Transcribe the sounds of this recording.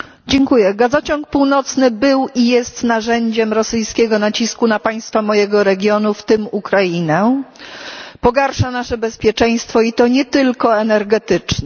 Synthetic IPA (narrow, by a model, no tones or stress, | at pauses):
d͡ʑɛŋkujɛɡazɔt͡ɕɔŋk̚puwnɔt̪snɘbɘwijɛst̪naʐɛɲd͡ʑɛmɾɔsɘjskʲɛɡɔnat͡ɕiskunapaj̃st̪famɔjɛɡɔɾɛɡʲjɔnuft̪ɘmukɾajinɛ | pɔɡaɾʂanaʂɛbɛspʲjɛt͡ʂɛj̃st̪fɔit̪ɔɲɛt̪ɘlkɔɛnɛɾɡɛt̪ɘt͡ʂɲɛ